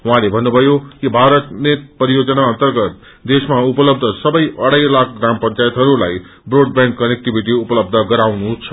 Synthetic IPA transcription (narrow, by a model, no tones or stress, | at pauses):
ɦɦãlebʱʌnːubʱʌjokibʱaɾʌt̪net̪pʌɾijod͡zʌnaʌnt̪ʌrɡʌt̪̚ | d̪esmaupʌlʌb̚d̪ʱʌsʌbʌjʔʌɽajlakʰɡrampʌnt͡sajʌt̪ɦʌɾula̰j | broɖ̚bjaŋkkʌnek̚ʈibiʈiupʌlʌbd̪ʱʌɡʌɾawnut͡sʰʌ̥